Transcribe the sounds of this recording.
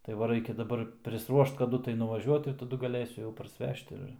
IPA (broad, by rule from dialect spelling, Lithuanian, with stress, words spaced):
tɐɪ ˈʋɐ ˈrɐɪkʲɛ dɐˈbɐr pʲrʲɪsˈruɔʃt kɐˈdʊ tɐɪ nʊʋɐˈʒʲuɔt ɪr tɐˈdʊ ɡɐˈlʲeːsʲʊ pɐrʲsʲˈʋʲɛʃt ɪr